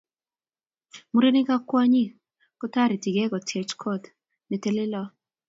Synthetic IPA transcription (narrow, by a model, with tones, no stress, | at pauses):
mu˦ɾe˦ni˦ka˦kwa˦ɲɪ˦ | kɔ˦ta˦ɾi˨ti˨ɡɛ˦ɡɔ˨tʰe˨t͡ʃkʰɔ˦t | ne˨te˦lɪ˦lɔ˦